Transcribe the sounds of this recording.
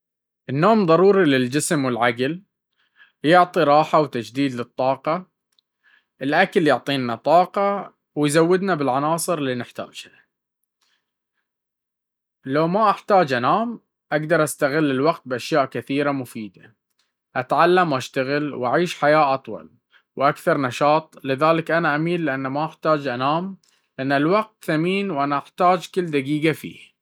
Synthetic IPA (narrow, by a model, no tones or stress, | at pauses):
ʔɪnːoːmðˤɑɾˤuːɾilɪld͡ʒɪsmwɪlʕaɡl | jʊʕt̪ˤiɾˤɑːħawt̪ad͡ʒd̪iːd̪lɨt̪ˤːɑːqɑ | ʔɪlʔakaljʊʕt̪ˤiːnːat̪ˤɑːqɑ | wjzawːɪd̪nabɪlʕanɑːsˤɨɾlːinɪħt̪a̰ːd͡ʒhḁ | lawmaʔaħt̪aːd͡ʒʔanaːm | ʔaɡd̪ɑɾˤʔast̪aɣɪlːɪlwaqt̪̚bʔaʃjaːʔkɪθiːɾamʊfiːd̪a | ʔat̪ʕalːamwʔaʃt̪aɣɪlwʔaʕiːʃħajaːʔɑt̪ˤwɑ̰l | wʔakθɑɾˤnɑʃɑːt̪ˤlɪðaːlɪkʔanaʔamiːlːɪʔanːamaʔaħt̪aːd͡ʒʔanaːm | lʔanːalwaɡ̚t̪θamiːnwʔanaʔaħt̪aːd͡ʒkɪlːd̪aɡiːɡafḭːh